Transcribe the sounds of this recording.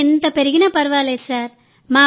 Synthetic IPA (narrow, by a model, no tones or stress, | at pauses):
ɛnd̪ɐpɛɾɪɣɪnɐpɐɾɯʋaːleːsaːɾ | maː